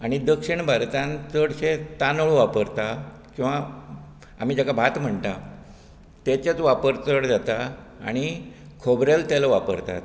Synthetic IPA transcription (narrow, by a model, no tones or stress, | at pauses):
aɽ̃id̪əkʂiɳbʱaɾt̪ãnt͡səɽɕet̪anəɭʋapəɾt̪a | kĩw̃ʋa | a̰m̤id͡ʑakabʱat̪m̤əɳt̪a | t̪jat͡ɕjat͡sʋapəɾt͡səɽd͡zat̪a | a̰ɽ̃ikʰobɾelt̪jalaʋapə̰ɾt̪a̰t̪